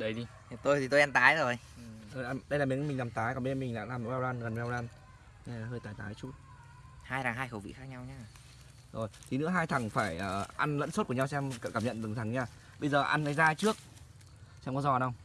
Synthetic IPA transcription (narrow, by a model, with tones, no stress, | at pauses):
ɗə˨˦jɗi˧ | t̪o˧jt̪ʰi˨˩t̪o˧ʔɛ˧mt̪aː˨˦jzo˨˩j | o˧a˧mɗə˧jlaː˨˩mi˨˦mï˨˩ŋla˨˩mt̪aː˨˦jkɔ˨˩ɓə˧zmï˨˩ŋ̟ɗa̰ː˧˥laː˨˩m˨wɛː˧wlaː˧nɣə˨˩nvɛː˧wlaː˧n˧ | a˨˩ɦəː˧jt̪aː˨˦jt̪aː˨˦jt͡ɕu˦˥t̚ | haː˧jɾaː˨˩ŋɦaː˧jxə˨˧˩wvḭ˧˨xaː˦˥k̚ɲa˧wɲaː˧ | zo˨˩jt̪ʰi˨˩nɨ̰˧˥əɦaː˧jt̪ʰa˨˩ŋfaː˧˩jʔəː˨˩ʔa˧nlə̰˧˥nso˦˥t̚ku˧˩ɲa˧wsɛ˧ɛ˧m˧˩kaː˧˩mɲə̰˧˨nt̪ɨ˨˩ŋt̪ʰa˨˩ŋɲaː˧ | ɓə˧jzəː˨˩ʔa˧nlaː˨˦jzaː˧t͡ɕɨ˦˥ək̚ | sɛ˧mkɔ˨˦zɔ˨˩ɗə˧wŋ͡m